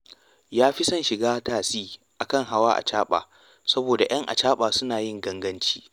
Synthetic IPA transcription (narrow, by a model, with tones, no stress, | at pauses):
jaː˦ɸɪ˦sɐ˦˨nʃɪ˨ɡaː˦taː˨siː˦ʔa˨kɐ˦˨ŋɦa˦waː˦ʔa̰˨t͡ʃaː˦ɓa̰ː˨ | sɐ˦boː˨da˨j̰ɐ˦ŋʔa̰˨t͡ʃaː˦ɓaː˨sʊ˦naː˨jɪ˦ŋɡɐ˦ŋɡɐ˦nt͡ʃi̥ː˦